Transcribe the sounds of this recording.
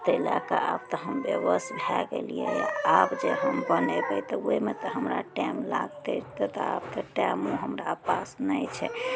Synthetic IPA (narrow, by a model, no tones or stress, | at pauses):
t̪əilakaab̚t̪ɔɦəmbeʋəsbʱɛɡḛlijeja̰abd͡ʒeɦəmbənɛbət̪ɔemet̪əɦəmɾaʈɛmlaɡt̪et̪ət̪ab̚t̪ɔʈɛmuɦəmɾapasnəjt͡ʃʰɛ